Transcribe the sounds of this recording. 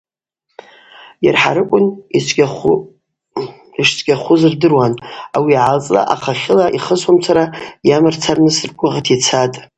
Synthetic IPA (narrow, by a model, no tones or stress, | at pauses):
jarħa̰ɾɨkʷʼʊni | iʂt͡sʷʰʼɡʲaχʷʊzɨrdɨrwanawiʕalt͡sʼla̰ʔaχaχʲɪlaʔiχəswamt͡sʷʰaɾajamɨrt͡sʰarnɨsɨrkʷʼʊʁatʰit͡sʰatʼ